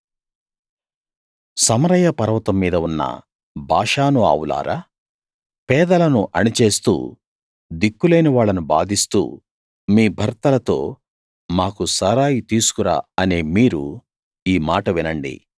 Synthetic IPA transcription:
sɐmɐɾɐjɐpɐɾɐʋɐt̪ɐmːiːd̪ɐunːɐ̰ | bʱaːʂaːnua̰ːwula̰ːɾʔaː | pɛːd̪ɐlɐnuʔɐnit͡ʃe̞ːst̪ṵː | d̪ikːule̞ːniʋaːɭːɐnuba̰ːd̪ʱist̪ṵː | miːbʱɐɾt̪ɐlɐt̪o̞̰ː | maːkusɐɾaːjit̪iːsu̥kuɾa̰ːɐneːmiːɾu | iːmaːʈɐʋinɐɳɖḭ

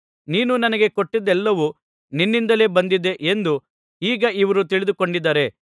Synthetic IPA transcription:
niːnunɐnɐɡe̞koʈːid̪ɛlːɐʋu | ninːind̪ɐle̞ːbɐnd̪id̪e̞ʔend̪u | iːɡɐiʋɐɾut̪iɭid̪uko̞ɳɖid̪ːɐɾe̞

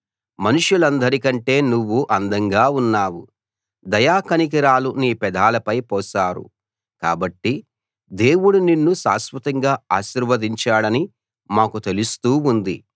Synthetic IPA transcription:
mɐnuʂjulɐnd̪ɐɾikɐɳʈe̞ːnuʋːuʔɐnd̪ɐŋɡaːunːaːwṵ | d̪ɐjaːkɐnik̬iɾaːluniːpɛd̪ʱaːlɐpɐjpɔːsaːɾṵ | ka̰ːbɐʈːi | d̪e̞ːwuɽuninːuʃa̰ːsʋɐt̪ɐŋɡaːaːʃiːɾʋɐd̪iɲt͡ʃaːɽɐni | maːkut̪elust̪uːund̪ḭ

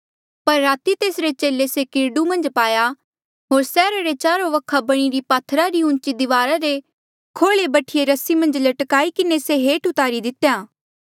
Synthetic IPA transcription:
pɐɾːaːt̪it̪eːsɾet͡ʃeːlesekɪɾɖumɐ̃nd͡ʒpaːja | ɦoːɾsɛːɾaɾet͡ʃaːɾoʋɐkʰabɐɽ̃iɾipaːt̪ʰːɾaɾiʊ̃nt͡ʃid̪ɪʋaːɾaɾe | kʰoːɭebɐʈʰijeɾɐsimɐ̃nd͡ʒlɐʈkaːikɪneseɦeːʈʊt̪aːɾid̪ɪt̪jaː

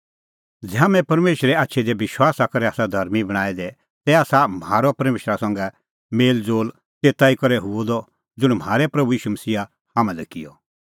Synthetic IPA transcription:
d͡zɛamɛ̃pɐɾmeːʃɾɛaːtːʃʰed̪ɛʋɪʃwaːsakɐɾɛaːsad̪ʱɐɾmibɐɽ̃aːɛd̪ɛ | t̪ɛaːsamaːɾɔpɐɾmeːʃɾasãːŋɡɛ | meːld͡zoːl | t̪eːt̪aikɐɾɛɦʊɔd̪ɔ | d͡zʊɽ̃m̤aːɾɛpɾɐbujiːʃumɐsiːa | hamãlɛkɪjɔ

